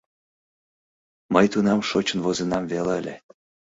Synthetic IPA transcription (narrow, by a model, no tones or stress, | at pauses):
məjt̪unɑmʃot͡ɕə̆nβozenɑmveleəlʲe